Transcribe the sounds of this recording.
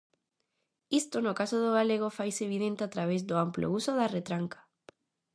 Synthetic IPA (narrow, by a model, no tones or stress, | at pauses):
ist̪ʊnʊkasʊðʊɣaleɣofajseβiðẽnt̪eat̪ɾaβezd̪ʊamplo̰usʊðaret̪ɾaŋkḁ